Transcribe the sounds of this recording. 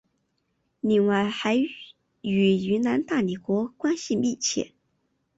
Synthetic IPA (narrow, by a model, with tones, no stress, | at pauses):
mi˨˩ŋwa˧˩ɪxa˧˥ɪ | y˨˩y˧˥na˧˥nt̪a˥˩ni˨˩kwɔ˧˥kwa˥nɕi˥˧mi˥˧t͡ɕʰjɛ̰˥˩